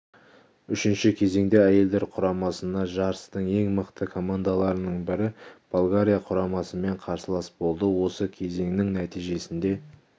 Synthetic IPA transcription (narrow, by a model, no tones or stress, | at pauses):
ʏʃɪnʃɪkʲʰe̞ze̞ŋd̪e̞æje̞ld̪e̞ɾqʰʊɾɑmɑsənd̪ɑʒɑɾəst̪əɴe̞ŋməqt̪əkʰo̞mand̪alˠɑɾənəɴbɪɾɪb̥olˠɡaɾʲijaqʰʊɾɑmɑsəme̞ɴqʰɑɾsəlˠɑsbo̞lˠd̪əwo̞səkʲʰe̞ze̞ŋnɪŋnæt̪ijʒe̞sɪnd̪e̞